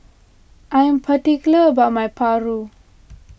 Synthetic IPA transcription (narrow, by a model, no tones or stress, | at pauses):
ajmpʰəʈikləbamajpʰaɾu